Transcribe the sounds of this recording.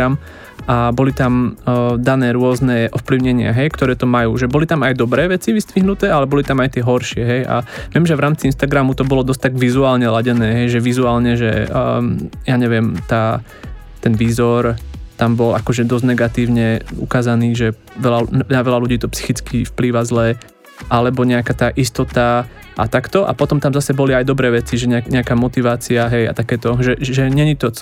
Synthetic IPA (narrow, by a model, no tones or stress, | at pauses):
am | ʔabɔlit̪amd̪anɛːɾʊɔznɛʔɔfpliʊɲɛɲɪaɦɛjkt̪ɔɾɛːt̪ɔmajuːʒɛbɔlit̪amajd̪ɔbɾɛːʋɛt͡siʋist̪ʋiɦnut̪ɛːalɛbɔlit̪amajt̪ɪɛɦɔɾʃɪɛɦɛja̰ʋɪɛmʒɛʋɾaːmt͡siinst̪aɡɾamut̪ɔbɔlɔd̪ɔscʲt̪aɡʋizuaːlɲɛlaɟɛnɛːɦɛjʒɛʋizuaːlɲɛʒɛ̰ | jaːɲɛʋɪɛmt̪aː | t̪ɛnʋiːzɔɾt̪ambɔlakɔʒɛd̪ɔzɟnɛɡat̪iːʊɲɛṵkaːzaniːʒɛ | ʋɛlanaʋɛlaluɟiːt̪ɔpsi̥xit͡skifpliːʋazlɛ | ʔalɛbɔɲɛakaːt̪aːʔist̪ɔt̪a | ʔat̪akt̪ɔʔa̰pɔt̪ɔmt̪amzasɛbɔliajd̪ɔbɾɛːʋɛt͡siʒɛɲɛaɲɛakaːmɔt̪iʋaːt͡siaɦɛja̰t̪akɛːt̪ɔʒɛʒɛɲɛɲit̪ɔ